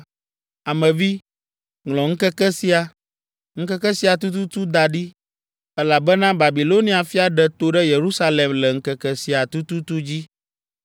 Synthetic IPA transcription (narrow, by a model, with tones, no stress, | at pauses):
a˨mɛ̃˨vi˦ | ŋlɔ̃˨ŋ̩˦kɛ˦kɛ˦si˦a˨ | ŋ̩˦kɛ˦kɛ˦si˦a˨t̪̬u˦t̪̬u˦t̪u˦d̪a˨ɖi˦ | ɛ˦la˨bɛ˦nã˦ba˨bi˨lo˦nĩ˨˦a˨fi˦a˨ɖɛ˦t̪o˦ɖɛ˦je˨ɾu˦sa˦le˨mlɛ˨ŋ̩˦kɛ˦kɛ˦si˨˦a˨t̪u˦t̪u˦t̪u˦d͡ʑi˦